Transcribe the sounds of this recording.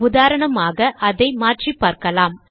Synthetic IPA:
ʊðaːɾɐɳɐmaːɣɐʔɐðɐɪmaːʈripːaːɾkɐlaːm

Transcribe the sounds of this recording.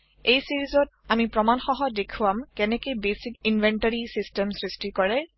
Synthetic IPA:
ejsiɹizɔtamipɹɔmanxɔɦɔdekʰuwamkɛnɛkejbesikinvʱɛntaɹisistɛmsɹistikɔɹɛ

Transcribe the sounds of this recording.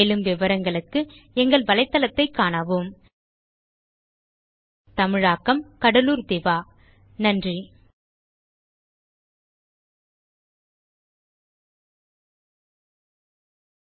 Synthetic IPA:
elɯmʋɪʋɐɾɐŋɡɐɭɯkːɯ | ɛŋɡɐɭʋɐlɐɪt̪ːɐlɐt̪ːɐɪkːaːɳɐʋɯm | t̪ɐmɪɻaːkːɐmkɐɽɐluːɾd̪ɛʋaː | nɐndri

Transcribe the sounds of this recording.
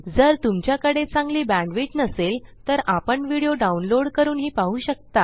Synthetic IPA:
d͡zəɾt̪umt͡ɕjakəɽet͡sãŋɡliːbæ̃ɳɖʋiʈnəselt̪əɾapəɳʋiɽijoɖaunloɽkəɾuːnɦiːpaɦuːɕək̚t̪a

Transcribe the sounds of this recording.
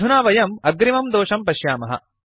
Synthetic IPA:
unaːʋɐjɐmɐɡɾimɐmd̪oːʂɐmpɐʃjaːmɐɦɐ̰

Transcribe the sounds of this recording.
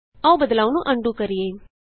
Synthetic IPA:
əũbəd̪laːunũʔəɳɖũːkəɾɪeː

